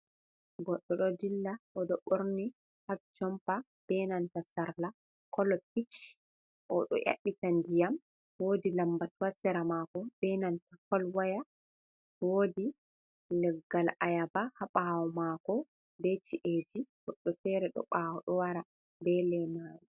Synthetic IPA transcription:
ɡɔɗːɔɗɔdilːaʔɔɗɔɓoɾni | habt͡ʃɔmpa | b̥ɛnantasaɾla | kɔlɔp̚it͡ʃ | ʔɔɗɔ̰ʔa̰ɓːitandijam | woːdilambatuwasɛɾamakɔb̥ɛnantakɔlwaja | woːdi | lɛɡːalajabahaɓawɔmakɔ | bɛt͡ʃiʔed͡ʒiɡ̥ɔɗːɔtɛɾɛɗɔ̰ɓaːwɔɗɔwaɾa | bɛlɛmaɾi

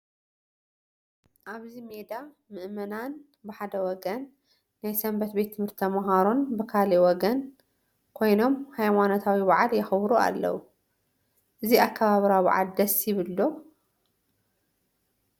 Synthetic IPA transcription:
ʔaβzime̞d̪a | mɨʔmɐnan | bɨħad̪ɐwɔɡɐnː | ajsɐmbɐt̪be̞t̪ʰːɨmhɨɾt̪ʰɐmɐɦaɾonbɨkʰaliwɔɡɐn | kʰo̞jno̞mhajmanot̪ʰawiβaʕaljɪxβɾua̰lːɐ̰wu | ʔɨziakʰːɐβaβɾaβa̰ʕa̰ld̪ɐsjɪβɨlːo

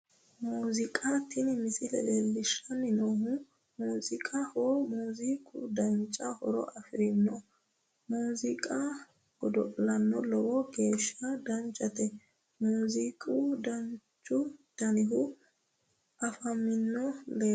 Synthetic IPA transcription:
muːzɪkʼɐt̪ːɪnmɪsɪlɛ̰lelːɪʃːɐnːɪnohʊ | muːzɪkʼɐhɔmuːzikʼʊ̰d̪ɐnt͡ʃʼːɐhɔ̰ɾɔ̰ʔɐfɪɾɪnːɔ | muːzɪkʼɐ | ɡ̥ɔd̪ɔʔʼlɐnːɔlɔwɔɡe̞ːʃːɐd̪ɐnt͡ʃʼːɐt̪ɛ | muːzikʼʊd̪ɐnt͡ʃʼːʊd̪̥ɐnɪɦʊ | ʔɐfɐmːɪnːɔleː

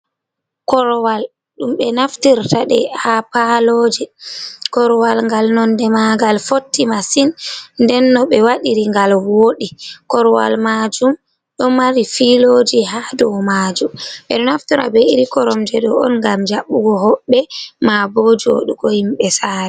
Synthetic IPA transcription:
kɔɾɔwal | ɗumɓɛnaftiɾtaɗɛ̰hapalod͡ʒɛkɔɾɔwalŋɡalnɔndɛmaɡalfotːimasinndɛnːɔɓɛwaɗiɾiŋɡalwoɗikɔɾɔwa̰lmad͡ʒum | ɗɔmaɾifilod͡ʒiɦadɔmad͡ʒumɓɛ̰ɗɔnaftiɾa̰bɛiɾikɔɾɔmd͡ʒɛɗɔɔ̰nŋɡamd͡ʒaɓːuɡɔɦɔɓːɛmabod͡ʒo̰ɗuɡɔhimɓɛsaːɾɛ

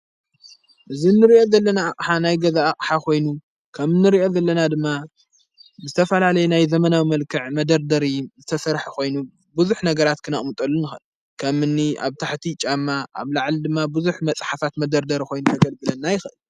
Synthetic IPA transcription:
ʔɨzinːɨɾiʔo̞zɐlːɐnaːqʼħanajɡɐzaːχʼħakʰo̞jnu | kʰɐmɨnːɨɾio̞zɐlːɐnad̪ɨmːa | ɨzɨt̪ʰɐfɐlalɐjunajzɐmɐnawimɐlkʰɨʕmɐd̪ɐɾd̪ɐɾizɨt̪ʰɐsɐɾħakʰo̞jnu | bɨzuħnɐɡɐɾat̪kʰɨnɐχʼmut̪ʼɐlːunɨxɨn | kʰɐmɨnːia̰βt̪ʰaħt̪ʰit͡ʃʼamːaʔa̰βlaʕlid̪ɨmːabɨzuħmɐt͡sʼħafat̪mɐd̪ɐɾd̪ɐɾiko̞jnut̪ʰɐɡɐlɡɨlɐnːajɪxɨʔɨl

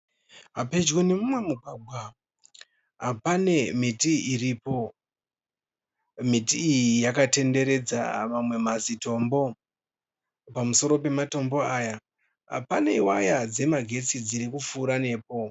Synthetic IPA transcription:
ɦape̞d͡ʒɡone̞mumwe̞muɡʱwaɡʱwa | ɦapane̞mitiiripo̞ | mitiːjijakate̞nde̞ɾe̞d͡za̰mamwe̞mazito̞mbo̞ | pamuso̞ɾo̞pe̞mato̞mbo̞aːja | ɦa̰paneiwajad͡ze̞maɡʱe̞t͡sid͡ziɾikufuːɾane̞ːpo̞

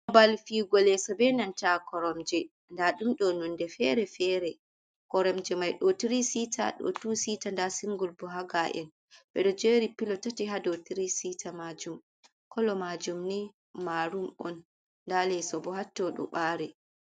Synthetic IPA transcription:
ɔbalfiɡɔlɛsɔbɛnantakɔɾɔmd͡ʒɛ | ndaɗumɗɔnɔndɛfɛɾɛfɛɾɛ | kɔɾɔmd͡ʒɛmajɗɔtiɾisitʰa̰ɗɔ̰tusitandasiŋɡulbɔɦaɡaʔɛ̰n | bɛɗɔd͡ʒeɾipilɔtatiɦadɔtiɾisitamad͡ʒum | kʰɔlɔmad͡ʒumni | maɾumɔnː | dalɛsɔbɔhatːɔɗɔ̰ɓaːɾɛ

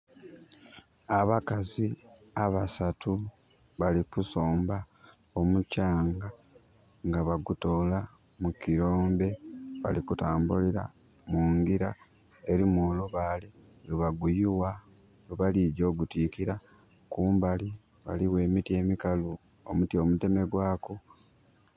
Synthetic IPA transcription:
aβakazi | aβasatʰu | βalikuso̞ːmba | o̞mucaːŋɡa | ŋɡaβaɡuto̞ːla | mukiɾo̞ːmbe̞βa̰likutaːmbuliɾa̰ | muːŋɡiɾa | e̞ɾimoːluβaːle | oβaɡujiwa | oβaliɟo̞ːɡutikiɾa | kuːmbali | βa̰liwe̞ːmitie̞ːmikalu | o̰mutio̞mute̞me̞ɡwaːko

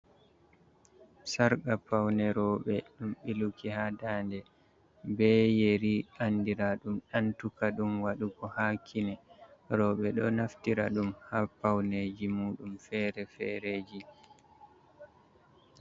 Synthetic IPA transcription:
saɾɡapawnɛɾɔːɓɛɗumɓilukihadaːndɛ | bɛjeɾiandiɾaɗumɗantukaɗumwaɗukɔhakʰːinɛɾɔɓɛɗɔnaftiɾaɗumhaːpawned͡ʒimuːɗumfɛːɾɛfɛ̰ɾeːd͡ʒi

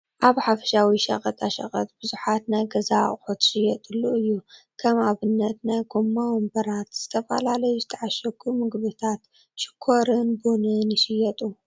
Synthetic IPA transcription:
ʔaβħafɐ̥ʃawiʃɐ̰χʼɐt̪ʼaʃɐ̰χʼɐ̰t̪ʼbɨzuħat̪najɡɐzaχʼħut̪ʃɪjɐt̪ʼɨlːuɨjːu | kʰɐmaβɨnːɐt̪najɡomːawmbɐɾat̪z̥ɨt̪ʰɐfɐ̰lalɐjuzɨt̪ʰɐʕaʃɐɡʼumɨɡβɨt̪ʰat̪ | ʃɪ̥kʰːoɾɨnbonɨnjɪʃɪjɛt̪ʼu

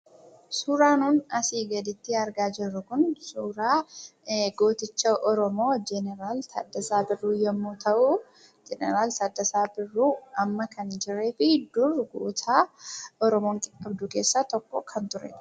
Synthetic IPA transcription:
suːɾaːnuːnɐsiːɡɐd̪ɪt̪ːɪɐɾɡaːd͡ʒɪrːʊkʊnsuːɾaː | ɡoːt̪ɪt͡ʃːɐʔɔɾɔmo̞ːd͡ʒɛnɛɾaːlt̪ɐ̰d̪ːɐsaːbɪrːuːjɛmːuːt̪ʰɐʔu | d͡ʒɛnɛɾaːlt̪ɐd̪ːɐsaːbɪrːuːɐmːɐkʰɐnd͡ʒɪɾe̞ːfɪd̪ʊrɡṵːt̪ʰaːɔɾɔmoːŋkʼɪ̥kʼːɐbd̪ʊke̞ːsːat̪ɔkːɔkʰɐnt̪ʊɾʔɛ̰

